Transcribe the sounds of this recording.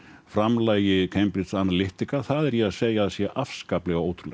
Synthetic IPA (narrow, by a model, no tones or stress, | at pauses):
fɾamlaːjɪkʰejmpɾɪt̪sanːalɪht̪ɪkaθaðɛɾjɛaðseːjaðsjɛʔafskaːplɛɣawoːwt̪ʰɾulɛ̰